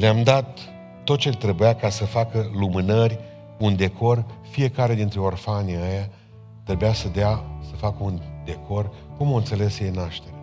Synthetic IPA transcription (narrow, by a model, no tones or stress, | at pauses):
leamd̪at̪ː | o̞t̪̚t͡ʃe̞lt̪ɾe̞bujakasəfakəlumɨnərʲ | und̪e̞kʰo̞rfije̞kaɾe̞d̪int̪ɾeo̞rfaneaja | t̪ɾe̞bujasəd̪easəfakəund̪e̞kʰo̞r | kumoɨnt̪se̞le̞sjejnaʃt̪e̞ɾe